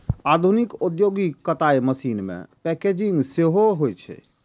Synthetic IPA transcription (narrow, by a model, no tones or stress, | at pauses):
ad̪ʱunikod̪joɡikːət̪aeməsinmḛ̃pɛked͡ʒiŋɡseɦoɦojt͡ʃʰɛ̰